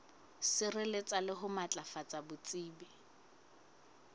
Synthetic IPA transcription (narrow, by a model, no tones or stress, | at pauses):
sɪrɪlɪt͡sʼalɪɦʊmat͡ɬʼafat͡sʼabʊt͡sʼiːbɛ